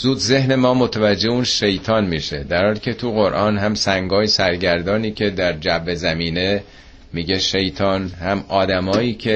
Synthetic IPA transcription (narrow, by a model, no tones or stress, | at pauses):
zuːd̪ze̞hne̞mɒːmo̞t̪ʰævæd͡ʒːeuːnʃejt̪ʰɒːnmiːʃḛd̪æɾɒːɾicʲʰe̞t̪ʰuɣo̞ɾʔɒːnɦæmsæŋɡɒːjesæɾɟæɾd̪ɒːniːcʰe̞d̪æɾd͡ʒæbːezæmiːne̞ | miːɟe̞ʃe̞jt̪ʰɒːnhæmʔɒːd̪æmɒːjiːcʰe